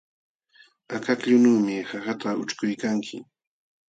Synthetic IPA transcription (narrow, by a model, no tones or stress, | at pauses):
akakʎʊnuːmɪhahat̪aʊt͡ʃkʊjkaŋkʰɪ̰